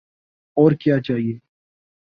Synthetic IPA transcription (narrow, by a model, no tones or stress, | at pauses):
ɔːɾkjaːt͡ʃaːɦieː